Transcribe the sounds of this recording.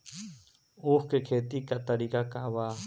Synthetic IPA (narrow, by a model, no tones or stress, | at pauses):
uhkekʰet̪ikat̪aɾikakaβa